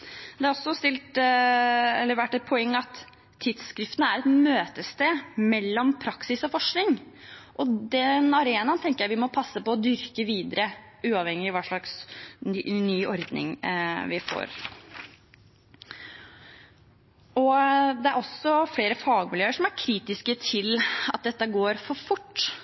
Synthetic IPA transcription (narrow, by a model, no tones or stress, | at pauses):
d̪ɛhɑɾɔsːɔst̪ɪlt̪ | ɛlːəɾʋæʈːɛt̪̚pʰɔɛŋːɑt̪ʰː | ɪd̪skɾɪft̪ənəæɾɛt̪møːt̪əst̪eːmɛlːɔmpʰɾɑksɪsɔfɔʂknɪŋʔɔd̪ɛnɑɾeːnɑnt̪ʰɛŋkəɾjæɪʋɪmɔpʰɑsːəpɔːd̪ʏɾkəʋiːd̪əɾəʉːɑʋhɛŋːɪʋɑːʂɭɑks | nyːʔɔɾd̪nɪ̰ŋʋɪfo̰ːɾ | ɔd̪ɛæɾɔsːɔfɽeːɾəfɑːɡmɪljøːəʂɔmæɾkʰɾiːt̪ɪskət̪ʰɪlɑt̪̚d̪ɛt̪ːəɡoːɾfɔɾfʊʈː